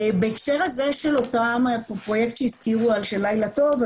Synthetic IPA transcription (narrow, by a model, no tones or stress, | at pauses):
baekʃeʁaze̞ʃelotamappʁo̞jekt̪ʃeiskiʁualʃelajlato̞v